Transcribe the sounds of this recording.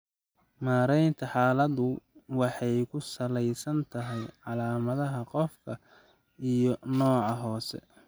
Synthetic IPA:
maːɾɛjnt̪ʰɐħɑːlɐðʊwɑħɑjkʰʊsɐlɛjsɐnt̪ʰɐɦɛjʕɑlaːmɐðɐɦɐqɔfkʰɐ | ijɔnɔːʕɑɦɔːsɛ̰

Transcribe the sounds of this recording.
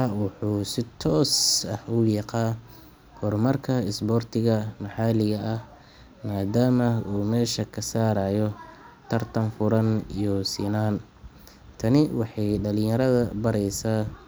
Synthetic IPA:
ɑwʊħuːsɪt̪ʰɔːsɐhʊjɑqɑː | hɔrmɐrkʰɐɪsbɔrt̪ʰɪɣɐmɑħɑːlɪɣɐʔɐh | maːd̪aːmɐuːmɛːʃɐkʰɐsaːɾaːjɔt̪ʰɐrt̪ʰɐnfʊɾɐnijɔsḭːnaːn | t̪ʰɐnɪwɑħɑjɖɐlɪ̃jɐɾɐðɐbɐɾɛjsaː

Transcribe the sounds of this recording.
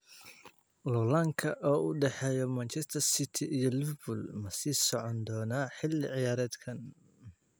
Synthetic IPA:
lɔlaŋkʰɐʔɔːʔʊɖɛħɛːjɔmɐnt͡ʃɛst̪ʰɐrsɪt̪ʰɪʔijɔlɪfbʊlmɐsiːsɔʕɔnd̪ɔːnaːħɪlːɪʕɪjaːɾɛːd̪kʰɐn

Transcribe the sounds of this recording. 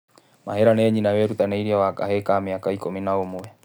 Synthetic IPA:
ma̰ɦɛɾanɛɲinawɛɾut̪anɛiɾiawaka̰ɦɛkaːmiakaikɔminaomuɛ

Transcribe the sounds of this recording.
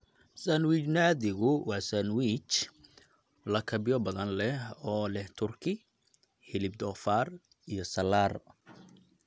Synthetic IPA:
sɐnwit͡ʃnaːðɪɣʊwɑːsɐnwit͡ʃ | lɐkʰɐbɪjɔbɐðɐnlɛhɔːlɛht̪ʰʊrkʰɪ | hɪlɪb̚d̪ɔːfaːr | ijɞsɐlaːr

